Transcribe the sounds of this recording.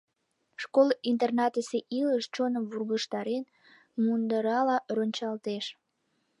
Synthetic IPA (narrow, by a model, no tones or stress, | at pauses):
ʃkolint̪ernɑt̪əseʔiləʃt͡ɕonəmβurɣəʃt̪ɑɾen | mund̪əɾɑlɑɾonʲt͡ɕɑlt̪eʃ